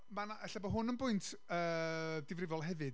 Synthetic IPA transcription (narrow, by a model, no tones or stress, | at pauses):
manaʔəɬabɔɦʊnənbʊɨntʰ | əːdɪvrɪvɔlˠɦɛvɨd